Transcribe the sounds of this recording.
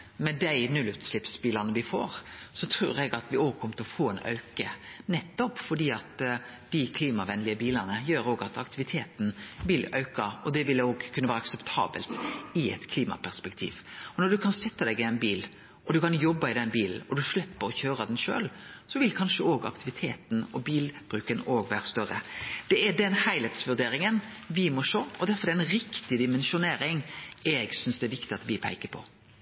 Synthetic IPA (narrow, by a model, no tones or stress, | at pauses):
mɛd̪æɪnʉlʉt̪slɪpsbiːlɑnəʋɪfo̰ːɾsɔt̪ʰɾʉ̰ːɾɛɡɑt̪ʋɪoːɡ̚kʰɔmət̪ʰɪlɔfoːɛnœ̰ʉkənɛt̪ːɔpfɔɖiːɑt̪d̪̥ɪkʰliːmɑʋɛnlɪəbiːlənəjøːɾoːɡɑt̪ɑkt̪ɪʋɪt̪ʰeːt̪n̩ʋɪlœʉkəɾɔd̪ɛʋɪloːɡkʰʉnəʋæːɾəɑksɛpt̪ʰɑ̰ːbə̰lt̪ɪɛ̰t̪kʰliːmɑ̰pʰæɾspɛkt̪ʰḭːʋɔnɔɖ̪ʉkʰɑnsɛt̪ːəd̪ɛɡɪæɪnbiːl | ɔd̪ʉkɑnjɔbːɑɪd̪ɛnbiːln̩ɔd̪ʉʂlɛpːəɾɔçøːɾəd̪ɛnʂø̰ːlsɔʋɪlkʰɑnʂəoːɡɑ̰kt̪ɪʋɪt̪ʰeːt̪n̩ɔbiːlb̥ɾʉːkənoːɡʋæːɾəst̪œɾə̰d̪̥ɛɛɖ̪ɛnhæɪlɛt̪sʋʉɖ̪eːɾɪŋənʋɪmɔʂoːɔd̪æɾfɔɾd̪ɛɛnɾɪkt̪ɪd̪ɪmɛnʃʊneːɾɪŋɛɡsʏnsd̪ɛɛʋɪkt̪ɪɑt̪ʋɪpʰæ̰ɪkəpʰɔ̰